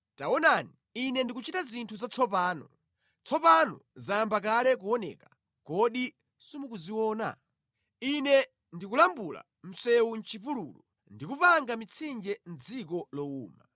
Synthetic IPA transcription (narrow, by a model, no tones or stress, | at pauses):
tawɔnani | inɛndikut͡ʃitazintʰuzat͡sʰɔpaːnɔ | t͡sʰɔpanɔ̰zaambakalɛk̬uɔnɛ̰ka | kɔɗi | sumukuziwɔːna̰ | inɛ | ndikulambula̰ | m̩sɛwun̩t͡ʃipulṵlɔ | ndikupaŋɡamit͡sʰind͡ʒɛn̩d͡zikɔlɔuːma